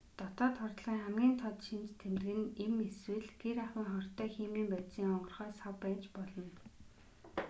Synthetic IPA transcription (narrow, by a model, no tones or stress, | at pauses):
t̪ɔt̪ɔːt̪χɔrt̪ɮiːŋχæmɡʲiːnt̪ʰɔt̪ʃint͡ɕt̪ʰemt̪̆ɣɘ̆nemeswɘ̆ɮɡ̥eɾaχwiːŋχɔr̥t̪œːxiːmiːmpæːt̪siːŋɔɴɢɞ̆rχœːsawpːæːt͡ɕpɔɮɞ̆n